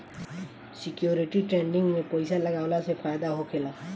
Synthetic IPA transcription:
sɪkjoːɾɪʈiʈɾẽːɳɖɪ̃ŋɡmẽpəɪjsalɐɡaːwlasepɾaːjd̪aɦokʰeːla

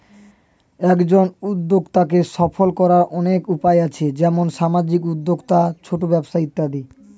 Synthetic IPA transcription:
ɛkd͡ʑonud̪ːoɡt̪ak̬eʃɔfolkɔɾaɾʔɔnekupaeat͡ɕʰed͡ʑɛmonʃamad͡ʑikud̪ːoɡt̪at͡ɕʰoʈobɛbʃait̪ːad̪i

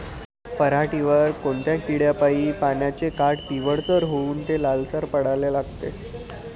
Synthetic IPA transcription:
pəɾaʈiʋəɾkoɳt̪jakiɽjapaiːpanjat͡sekaʈt̪iʋəɽt͡səɾɦouːnt̪elalsaɾpəɽ̤alelaɡt̪ḛ

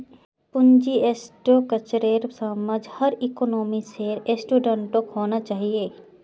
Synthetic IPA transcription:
pʊnd͡ʒiesʈoːkət͡ʃɾeːɾsaməd͡ʒhɐɾɪkonoːmiseːɾesʈuːɖə̃ɳʈokɦoːnat͡ʃaːɦieː

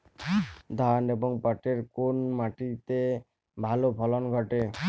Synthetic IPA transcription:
d̪ʱaneboŋpaʈeɾkonmaʈit̪e | bʱalopʰɔlonɡʱɔʈe

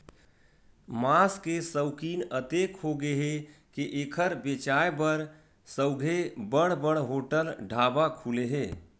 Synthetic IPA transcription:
maskesəʊkiːnət̪ekɦoɡeɦekeʔeːkʰəɾbet͡ʃajbəɾ | səʊɡʱebəɽ̃bəɽɦoʈəlɖʱabakʰuleɦeː

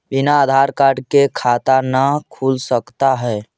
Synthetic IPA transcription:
binaːd̪ʱaɾkaɾɖkekʰat̪anəkʰulsəkt̪aɦɛː

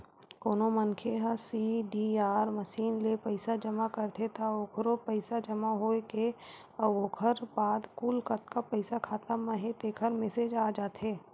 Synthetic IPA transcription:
koːnomɐnkʰeɦəsiːɖiaːɾmɐʃiːnlepɐɪsad͡ʒɐmakɐɾt̪ʰet̪aoːkʰɾopəɪsad͡ʒɐmaɦoːeke | əʋoːkʰəɾbaːd̪kulkɐt̪kapəɪsakʰaːt̪amɐɦẽt̪eːkʰəɾmɛsed͡ʒaːd͡ʒaːt̪eː

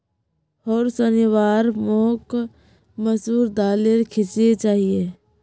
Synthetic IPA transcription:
ɔːɾsənɪwaːɾmɔːk | məsuːɾd̪aːleɾkʰɪsiet͡ʃaːɦieː

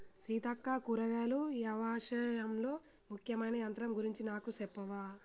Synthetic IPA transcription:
siːt̪ɐkːaːkuɾɐʋaːlujɐʋaːʃɐjɐmlo̞ː | mukʰjɐmɐjnɐɐnt̪ɐɾɐmɡuɾiɲt͡ʃinaːkusɛpːɐʋaː

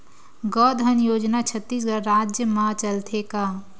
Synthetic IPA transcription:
ɡɔːd̪ʱənjoːd͡ʒnat͡ʃʰət̪ːiːs̬ɡəɾɾaːd͡ʒjəmãt͡ʃəlt̪ʰekaː

